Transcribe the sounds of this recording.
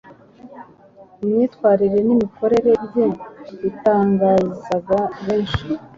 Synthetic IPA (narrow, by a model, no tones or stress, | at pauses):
imɲiːtkwaːɾiɾe̞nimikʰo̞ɾe̞ɾe̞bjeitaːŋɡaːzaɡaβeːnʃi̥